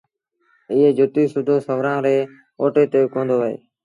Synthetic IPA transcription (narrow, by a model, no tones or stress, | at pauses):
ɪːeːd͡ʒʱʊt̪iːsʊd̪ʱoːsəʋɾãːɾeː | oːʈeːt̪eːkõːnd̪oːʋəḛː